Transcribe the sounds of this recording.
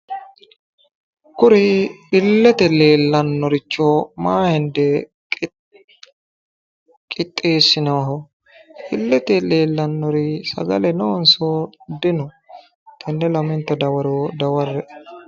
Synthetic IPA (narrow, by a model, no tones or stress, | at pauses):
kʊɾɪɪlːɛt̪ɛle̞ːlːɐnːɔɾɪt͡ʃːɔmaːhɛnd̪ɛ | kʼɪt̪ʼːeːsːɪnɛwɐɦɔ | ɪlːɛt̪ɛleːlːɐnːɔɾɪsɐ̰ɡɐ̰lɛnɔɔnsɔd̪ɪnɔ | t̪ʰɛnːɛlɐmɪnt̪ːɐd̪ɐwɐɾod̪ɐwɐɾːɛ